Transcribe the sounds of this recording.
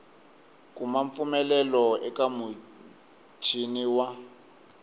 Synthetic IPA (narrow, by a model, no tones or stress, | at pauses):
kʼumaɱp̪fumɛlɛlɔɛkamu | t͡ʃʰiniwa